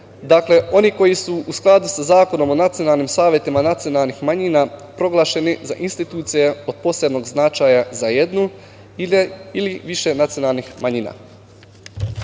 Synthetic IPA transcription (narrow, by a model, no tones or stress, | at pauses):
d̪akle̞o̞niko̞jisuusklˠad̪usazaːko̞no̞monat̪sijonalˠnimsaːʋjet̪imanat̪sijo̞nalˠnixmaɲinapɾo̞ɡlˠaːʃe̞niza̰ʔinst̪it̪uːt̪sije̞o̞d̪̚po̞sɾed̪no̞ɡznat͡ʃaːjazaje̞d̪nu | iliʋiʃenat̪sijo̞nalˠnixmaɲina̰